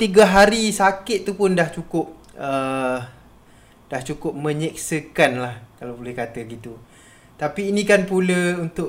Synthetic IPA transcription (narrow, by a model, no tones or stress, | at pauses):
t̪iɡaɦaɾisakɪt̪̚t̪ːupʊndaht͡ʃukʊp̚ | ə | d̥aht͡ʃukʊp̚mə̃ɲik̚səkanlahkalabolɛhkat̪əɡit̪u | t̪apiːnĩkanpuləunt̪ʊ